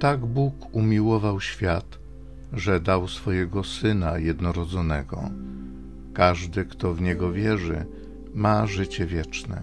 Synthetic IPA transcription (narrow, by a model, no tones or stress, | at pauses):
t̪aɡbukumʲiwɔvawɕfʲjat̪ | ʐɛd̪awsfɔjɛɡɔsɘnajɛd̪nɔɾɔd̪zɔnɛɡɔ̰ | kaʐd̪ɘkt̪ɔvɲɛɡɔvʲjɛʐɘ̰ | maʐɘt͡ɕɛvʲjɛt͡ʂnɛ̰